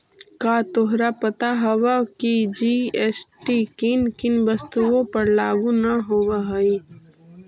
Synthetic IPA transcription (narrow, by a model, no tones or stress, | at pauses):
kaːt̪oɦɾapɐt̪aɦɐʋakid͡ʒieːsʈikinkɪnʋɐst̪uõpɐɾlaːɡunɐɦoːʋaɦɐi